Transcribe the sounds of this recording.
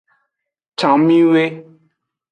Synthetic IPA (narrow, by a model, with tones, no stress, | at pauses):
t͡ɕʰa˩˨ŋmi˥weː˨